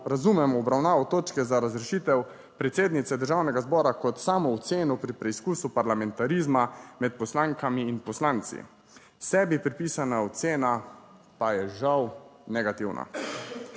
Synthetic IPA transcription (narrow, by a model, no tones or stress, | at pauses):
ɾazumɛmɔːbɾawnaːʋɔt̪oːt͡ʃkɛzaɾazɾɛʃiːt̪ɛw | pɾɛt̪seːd̪nit̪sɛd̪əɾʒaːwnɛɡazbɔːɾakɔt̪saːmɔɔt̪seːnɔpɾipɾɛiskuːsupaɾlamɛnt̪aɾiːzmamɛt̪̚pɔslaːŋkamiːnpɔslaːnt̪sḭ | sɛbipɾipiːsanaɔt̪seːna | pajɛʒawnɛɡat̪iwna̰